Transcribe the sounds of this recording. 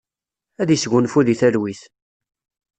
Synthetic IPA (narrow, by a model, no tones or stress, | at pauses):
æðisɡʷʊnfuðiθælwiθ